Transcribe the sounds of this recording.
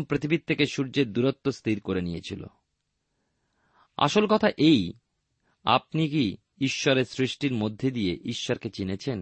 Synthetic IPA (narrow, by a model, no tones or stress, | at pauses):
mpɾit̪ʰibit̪ʰːekeʃuɾd͡ʑed̪uɾot̪ːost̪ʰiɾkoɾenijet͡ɕʰilo̰ | a̰ʃolkɔt̪ʰaʔej | a̰p̚niki | iʃːɔɾeɾsɾiʃʈiɾmod̪ʱːed̪ijeʔiʃːɔɾket͡ɕinet͡ɕʰen